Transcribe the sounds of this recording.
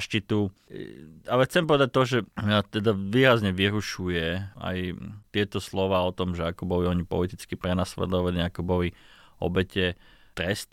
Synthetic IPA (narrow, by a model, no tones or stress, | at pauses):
ʃcit̪u | alɛxt͡sɛmpɔʋɛd̪ac̚t̪ɔʒɛmat̪ɛd̪aʋiːɾazɲɛʋiɾuʃujɛa̰jt̪ɪɛt̪ɔslɔʋaːɔt̪ɔmʒɛakubɔʋiɔɲipɔ̰lit̪it͡skipɾɛnaslɛ̰d̪ɔʋaliakɔbɔʋiɔ̰bɛcɛ | t̪ɾɛst̪